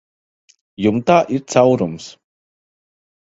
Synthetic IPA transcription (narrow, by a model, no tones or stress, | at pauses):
jumt̪aːʔiɾt̪sawɾums